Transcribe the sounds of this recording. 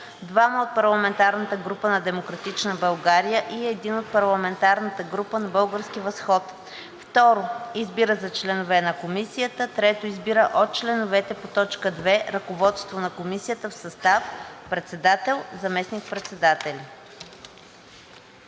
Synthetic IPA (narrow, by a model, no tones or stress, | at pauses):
d̪vaməot̪̚pɐɾlˠɐmɛnt̪aɾnət̪əɡɾupənɐd̪ɛmokɾɐt̪it͡ʃnəbɐlˠɡaɾijəʔiɛd̪inot̪̚pɐɾlˠɐmɛnt̪aɾnət̪əɡɾupənɐbɤlˠɡəɾsk̟ivɐsxɔt̪ | ft̪ɔɾoizbiɾəzɐt͡ʃlɛnovɛnɐkomisijət̪ət̪ɾɛt̪oizbiɾəʔot̪̚t͡ʃlɛnovɛt̪ɛpot̪ɔt͡ʃkəd̪vɛɾɐkovɔt̪st̪vonɐkomisijət̪əfsɐst̪afpɾɛt̪sɛd̪at̪ɛlˠzɐmɛsnik̚pɾɛt̪sɛd̪at̪ɛlʲi